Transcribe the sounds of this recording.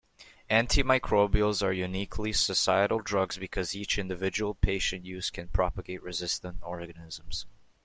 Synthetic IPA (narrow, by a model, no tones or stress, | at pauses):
æ̃ntʰimaɪkʰɹ̥obil̩ˠzə˞jʉnikʰlisəsaɪɨɾl̩ˠdɹʌɡzbɨkʰʌzit͡ʃɪ̃ndɨvɪd͡ʒəwl̩ˠpʰeɪʃɨ̃nʔjʉz̥kʰɨ̃npʰɹ̥ɑpəɡeɪʔ̚ɹɨzɪstə̃ntɔɹɡɨnɪzə̃mz̥